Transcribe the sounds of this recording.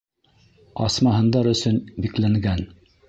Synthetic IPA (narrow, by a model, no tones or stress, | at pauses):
ɑsmɑɦɤ̆nd̪ɑɾɵ̆sɵnbiklæŋɡæn